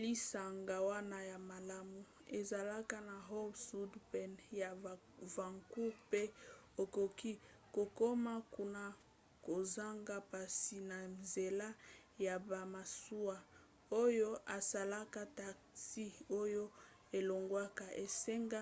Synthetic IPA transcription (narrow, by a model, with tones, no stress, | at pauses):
li˦sa˨ŋɡa˨wa˦na˦ja˨ma˨la˦mu˨ | e˨za˨la˦ka˦na˨ɦo˦bsu˦dpɛ˨nja˨ | va˨ŋku˦ʁpe˦ | o˨ko˨ki˦ | ko˨ko˦ma˦ku˦na˨ | ko˨za˦ŋɡa˦pa˨si˨na˨nze˨la˦ | ja˨ba˨ma˨su˦a˦ | o˦jo˦ʔa˨sa˨la˦ka˦ta˨ksi˦o˦jo˦ | e˨lo˨ŋɡwa˦ka˦ʔe˨se˦ŋɡa˦